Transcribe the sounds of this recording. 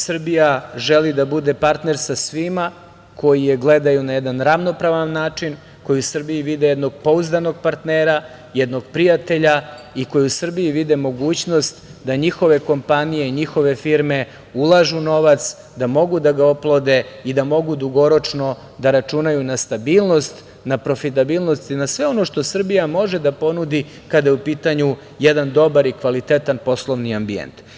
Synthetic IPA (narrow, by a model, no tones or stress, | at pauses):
sr̩bijaʒelid̪abud̪e̞paɾt̪ne̞ɾsasʋima | kʰo̞jijeɡle̞d̪ajunajɛd̪anɾavno̞pɾaʋanːaːt͡ʂin | ko̞jiusr̩bijiʋid̪ejɛd̪no̞ɡ̚po̞uzd̪ano̞ɡpaɾt̪neːɾa | jɛd̪no̞ɡpɾijat̪e̞ʎaiko̞juusr̩biiʋid̪emo̞ɡuːt͡ɕno̞st̪d̪aɲixo̞ʋe̞ko̞mpanije̞iɲixo̞ʋe̞fiɾme̞ | ulˠaʒuno̞ʋat̪s | d̪amo̞ɡud̪aɡaoplˠod̪e̞id̪amo̞ɡud̪uɡo̞ɾo̞t͡ʂno̞ | d̪aɾat͡ʂunajunast̪abiːlˠno̞st̪ | napɾo̞fit̪abiːlˠno̞st̪inasʋe̞o̞no̞ʃt̪o̞sr̩bijamo̞ʒe̞d̪apo̞nud̪i | kad̪ajeupiːt̪aɲu | jɛd̪and̪o̞baɾikʋalit̪et̪anpo̞slˠo̞ʋniambiḛnt̪